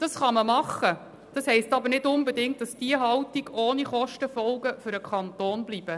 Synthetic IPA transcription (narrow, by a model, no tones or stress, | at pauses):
d̥ɑsχɑməmɑχːə | d̥ɑshɛɪstɑbəɾnɪtʊmbɛdɪŋt̚d̥ɑsd̥iəɦɑltiɡ̥oːniχɔʃtəfɔlɡəfʏɾəkʰχɑntoːnblib̥ə